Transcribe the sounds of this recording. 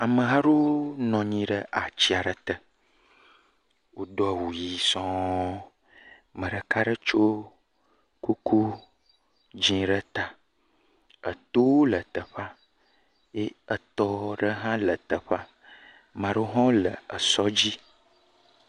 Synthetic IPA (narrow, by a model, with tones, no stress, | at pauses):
a˨mə̃˨ɦã˦ɖo˦nɔ̃˨ɲĩ˨ɖə˦ʔa˨t͡ɕi˦a˨ɖə˨t̪ə˨ | wo˨ɖɔ˨a˨wu˨ji˨˦sɔ̃˦ | mə̃˨ɖə˨ka˦ɖə˦t͡ʃo˦ | ku˦kʰu˦ | d͡ʒĩ˦ɖə˦t̪a˨ | ə̰˨t̪o˦wlə˨t̪ə˨ɸa˦ | je˦ə˨t̪ɔ˦ɖə˦ɦã˦lə˨t̪ə˨ɸa˦ | mã˨ɖo˦ɦɔ̃˦lə̰˨ə˨sɔ˦d͡ʑi˦